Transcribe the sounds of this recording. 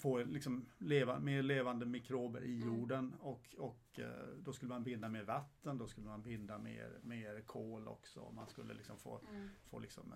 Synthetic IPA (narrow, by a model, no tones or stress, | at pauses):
foːlɪksɔmleːvameːɾɭeːvand̪əmɪkʰɾoːbə̰ɾʔɪjuːɖənɔkɔkd̪ɔskɵlːəmanbɪnd̪ameːɾvat̪ʰːənd̪ɔskɵlːəmanbɪnd̪amḛːɾmeːɾkʰoːlɔ̰ksɔ̰ɔ̰manskɵlːə̰lɪksɔmfo̰ːfo̰ːlɪksɔ̰m